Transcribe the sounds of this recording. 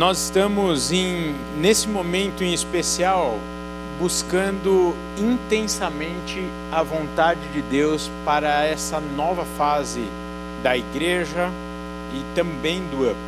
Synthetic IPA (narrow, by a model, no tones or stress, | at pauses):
nɔzɪst̪ɐ̃mʊzẽj̃ | nesɪmomẽnt̪ʊẽispesiaw | buskɐ̃nd̪ʊ | ĩnt̪ẽsɐmẽnt͡ʃɪ | ɐvõnt̪ad͡ʒɪd͡ʒɪd̪ewspaɾɐɛsɐnɔvɐfazɪ | d̪ɐiɡɾeʒɐ | ɪt̪ɐ̃bẽj̃d̪ʊɐp